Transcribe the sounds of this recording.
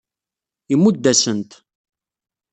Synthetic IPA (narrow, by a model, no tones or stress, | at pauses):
imːud̪ːæsənt̪